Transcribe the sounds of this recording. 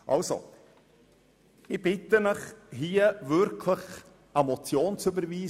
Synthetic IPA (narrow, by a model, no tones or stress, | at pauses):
ʔɑlso̰ | ɪb̥ɪtəməχhiːəvʏɾkʰləχ | amɔt͡sjoːnt͡sybəɾviː